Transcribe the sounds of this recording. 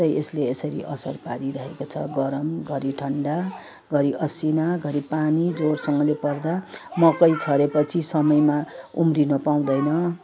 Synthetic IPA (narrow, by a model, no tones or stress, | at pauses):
ʌjʔesleesʌɾḭʔʌsʌrpaɾiɾʌɦekot͡sʰʌ̰ɡʌɾʌmɡʱʌɾiʈʰʌɳɖa | ɡʱʌɾiʔʌsinaɡʱʌɾipanid͡zorsʌŋɡʌ̃lepʌrd̪amʌkʌjt͡sʰʌɾepʌt͡sʰisʌmʌjmaumrinʌpaw̃d̪ʌjnʌ